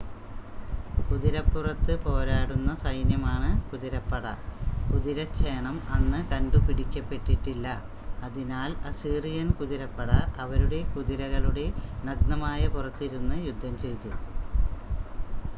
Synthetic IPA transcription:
kuðiɾɐpːurɐt̪ːɨpo̞ːɾaːɽunːɐsɐjnjɐmaːɳɨkuðiɾɐpːɐɽɐ̰kuðiɾɐt͡ɕʰːeːɳɐmɐnːɨkɐɳɖupiɽikʲːɐpːe̞ʈːiʈːilːɐ | ɐðinaːlɐsiːrijɐnkuðiɾɐpːɐɽɐʔɐʋɐɾuɽe̞kuðiɾɐɣɐɭuɽe̞nɐɡ̚nɐmaːjɐpurɐt̪ːiɾunːɨjud̪ʱːɐmt͡ɕe̞jt̪u

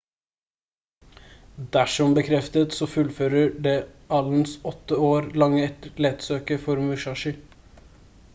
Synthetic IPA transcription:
d̪æʂɔmbəkʰɾɛft̪ət̪sɔfʉlføːɾəɖeːʔɑln̩sɔt̪ːəoːɾlɑŋːəɛt̪əleːt̪søːkəfɔɾmʉʃɑʃə

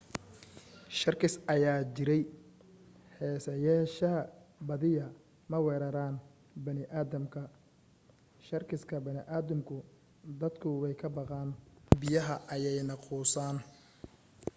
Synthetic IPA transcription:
ʃɐrkʰɪsɐjaːt͡ʃɪɾɛj | hɛːsɐjaʃɐɦɐbɐðɪjɐ | mɐwɛːɾɐɾaːn | bɐnɪʔaːðɐmkʰɐ | ʃɐrkʰɪskʰɐbɐnɪ̰ʔaːðɐmkʰʊ | d̪ɐd̪kʰʊwɛjkʰɐbɑqɑːnbɪjɐɦɐʔɐjɛjnɐquːsaːn

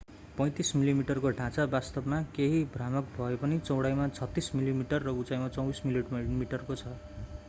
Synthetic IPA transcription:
pʌ̃j̃t̪ismilimiʈʌrkoɖʱãt͡sabast̪ʌbmakeɦibʱramʌkbʱʌepʌnit͡sʌwɽajmat͡sʰʌt̪ːismilimiʈʌrːʌut͡sajmat͡sʌ̃w̃bismilimiʈʌrkot͡sʰʌ

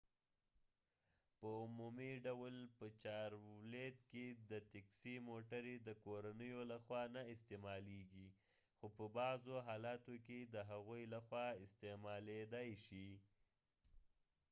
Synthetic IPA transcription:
pəʊmumiɖawlpət͡ʃɑɾwled̪ked̪ət̪aksimoʈaɾed̪əkoɾanəjolaxwɑnaɪs̬t̪emɑleɡi | xopəbɑzoɦɑlɑt̪oked̪əɦaɣujlaxwɑɪst̪emɑled̪ajʃi

